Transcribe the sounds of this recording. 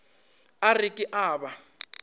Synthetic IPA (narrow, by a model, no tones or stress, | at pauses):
arikʼiʔaːɓa